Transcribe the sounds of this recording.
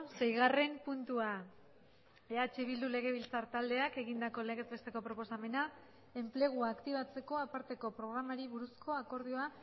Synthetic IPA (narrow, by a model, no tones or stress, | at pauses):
se̞jɣ̞are̞mpunt̪ua | e̞at͡ʃe̞β̞ild̪ule̞ɣ̞e̞β̞ilt͡saɾt̪ald̪e̞ake̞ɣind̪ako̞le̞ɣe̞zβe̞st̪e̞kopɾopo̞same̞na | e̞mple̞ɣ̞uaːkt̪iβat͡se̞ko̞apaɾt̪e̞ko̞pɾo̞ɣ̞ɾamaɾiβuɾusko̞ako̞ɾð̞io̞a